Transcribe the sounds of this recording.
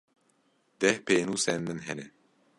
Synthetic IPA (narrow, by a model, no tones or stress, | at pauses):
d̪ɛhpʰeːnuːsɛnmɨnɦɛnɛ